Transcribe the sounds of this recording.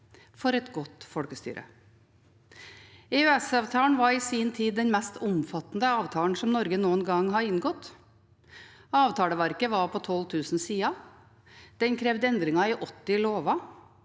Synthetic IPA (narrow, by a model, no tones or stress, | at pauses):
fɔɾɛt̪ɡɔt̪fɔɽkəst̪y̰ːɾʔə̰ | ɛʉɛsɑːʋt̪ʰɑːɳʋɑɾɪsiːnt̪ʰiːd̪ːɛnmɛst̪ʊmfɑt̪nd̪əɑːʋt̪ʰɑːln̩sɔmnɔɾɡənuːənɡɑŋɦɑɾɪnɡɔt̪ | ɑːʋt̪ʰɑːləʋæɾkəʋɑɾpʰɔt̪ʰɔlt̪ʰʉːsn̩siːɑ | d̪̥ɛnkʰɾɛːʋd̪əɛnd̪ɾɪŋɑɪʔɔt̪ːɪloːʋɑ